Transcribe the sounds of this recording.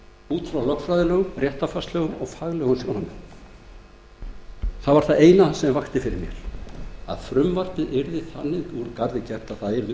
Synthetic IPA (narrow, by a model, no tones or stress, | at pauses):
uːt̪fɾawlœkfɾajðɪlœːɣʏmrjɛht̪afast̪lœːɣʏmɔɣfaːɣlɛːɣʏmjoːwnamʏm | θaðvaɾ̥θaðeːjnasɛmvaxt̪ɪfɪɾɪ̰ɾmjɛ̰ɾ̥a̰ðfɾʏmvar̥pɪðɛɾðɪθanːɪuɾkaɾðɪcɛr̥t̪aðθaðɛɾðɪ